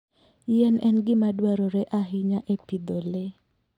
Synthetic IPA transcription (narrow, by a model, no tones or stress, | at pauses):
jɛnɛnɡɪmadwaɾoɾɛʔaɦɪɲaʔepid̪ole